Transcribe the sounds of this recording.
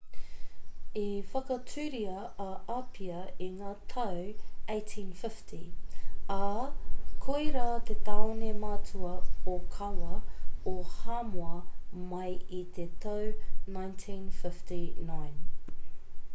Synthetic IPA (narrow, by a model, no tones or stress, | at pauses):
ifɐkɐt͡sʉːɾiɐ | ʔɐʔɐpʰiɐiŋaːt̪ʰɐwejtʰĩːnfɪftʰi | ɐ | kʰojɾat̪et̪ɐonemat͡suɐokʰɐwɐohaːmoɐmɐjit̪et̪ɐwnãjntʰĩːnfɪftinajn